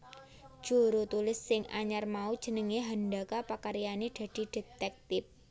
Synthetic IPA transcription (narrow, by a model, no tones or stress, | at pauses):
ʒ̥o̤ɾot̪ulɪsːɪŋʔa̰ɲarmaud̥ʒ̥ə̤nəŋeɦandakapakaɾijaneɖ̪̥a̤d̪̥i̤d̪̥e̤t̪ɛk̚t̪ɪp̚